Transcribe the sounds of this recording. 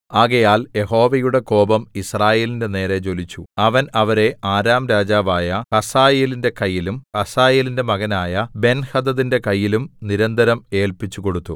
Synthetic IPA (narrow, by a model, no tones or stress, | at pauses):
aːɣɐjaːlje̞ɦo̞ːʋɐjuɽe̞ko̞ːbɐmisraːje̞ːlinde̞ne̞ːre̞t͡ɕo̞lit͡ɕːuɐʋɐnɐʋɐɾe̞aːɾaːmɾaːd͡ʑaːʋaːjɐhɐsaːjeːlinde̞kɐjːilumkɐsaːjeːlinde̞mɐɣɐnaːjɐbe̞nhɐd̪ɐðinde̞kɐjːilumniɾɐnd̪ɐɾɐme̞ːlpit͡ɕːuko̞ɽut̪ːu